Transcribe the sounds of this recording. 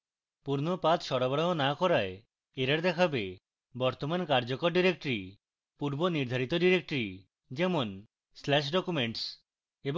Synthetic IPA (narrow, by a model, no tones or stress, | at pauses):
puɾnopat̪ʃɔɾabɾaɦonakɔɾae | eɾaɾd̪ɛkʰabe | bɔɾt̪omankaɾd͡ʑokoɾɖiɾek̚ʈɾi | puɾboniɾd̪ʱaɾit̪oɖiɾek̚ʈɾi | d͡ʑɛmon | slɛʃ̬ɖɔkumeɳʈs | ebo